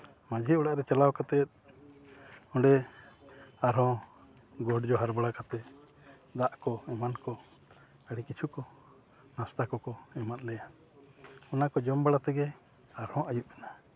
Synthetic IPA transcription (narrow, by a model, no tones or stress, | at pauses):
mãd͡ʒʱiɔɽaʔɾɛt͡ʃalawkat̪ɛt̪̚ | ɔ̃ɖɛ | aɾɔ̃ | ɡɔɖd͡ʒɔɦaɾbaɽakat̪ɛ | d̪aʔkɔɛmankɔ | əɽikit͡ʃʰukɔ | nast̪akɔkɔɛmat̪̚ˀlɛja | ɔnakɔd͡ʒɔmbaɽat̪ɛɡɛ | aɾɔ̃ʔajuʔmɛna